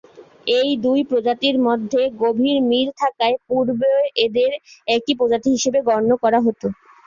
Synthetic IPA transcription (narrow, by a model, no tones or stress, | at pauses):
ejd̪ujpɾod͡ʑat̪iɾmod̪ʱːeɡobʱiɾmilt̪ʰakaepuɾboed̪eɾɛk̚ipod͡ʑat̪iɦiʃebeɡɔɾnokɔɾaɦot̪o